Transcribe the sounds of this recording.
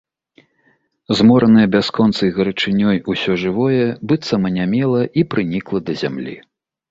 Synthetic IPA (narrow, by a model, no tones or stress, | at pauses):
zmɔɾɐnɨjɛbʲaskɔnt̪sɨjɣɐɾɨt͡ʂɨnʲɔjusʲɔʐɨvɔjɛbɨt̪sɐmɐnʲamʲɛlˠɐʔipɾɨnʲiklˠɐd̪ɐzʲa̰mlʲḭ